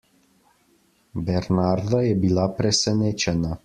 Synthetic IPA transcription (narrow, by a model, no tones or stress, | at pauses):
bɛɾnaɾd̪ajɛbilapɾɛsɛneːt͡ʃɛna